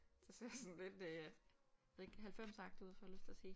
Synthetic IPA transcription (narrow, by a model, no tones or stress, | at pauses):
sɒseɐ̰jsɒ̽n̩le̝d̥ | jʋeðˠeɡ̥ɦælfem̰sɑ̈ɡ̥̚d̥uð̰ˠfɒæløst͡sʰe̝ɐsiː